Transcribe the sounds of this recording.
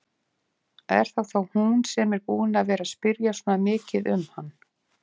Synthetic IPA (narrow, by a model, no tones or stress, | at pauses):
ɛ̰ɾ̥θawθawhunsɛmɛɾpuːðɪnaðvɛːɾaspɪɾjasɔːnamɪːcɪðʏ̰mhanː